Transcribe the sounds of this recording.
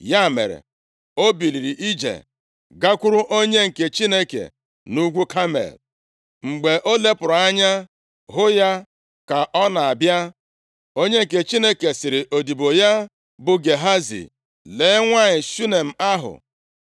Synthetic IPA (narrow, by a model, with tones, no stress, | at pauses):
ja˦˨mḛ˨ɾḛ˨ | o˦bi˨li˨ɾi˨ʔi˦d͡ʒḛ˨ | ɡa˦kʷʊ˦ɾʊ˦ʔo˦ɲe˦ŋ̩˨ke˨t͡ʃi˦ne˦kḛ˨ | nu˦ɡʷu˦kʰa˦mḛ˨l | ŋ͡m̩˨ɡ͡be˨ʔo˦le˦pʊ˨ɾa˦ɲa˦ | ɦʊ˦ja˦ | ka˨ʔɔ˦na˨a˨bja˦ | o˦ɲe˦ŋ̩˨ke˨t͡ʃi˦ne˦ke˨sɪ˨ɾɪ˨ʔo˨di˨bo˨ja˦ | bʊ˨ɡe˨ɦa˦zḭ˨ | leː˨˦ŋʷa˦ɲɪ˨su˦ne˨m̩˨a˦ɦʊ̰˨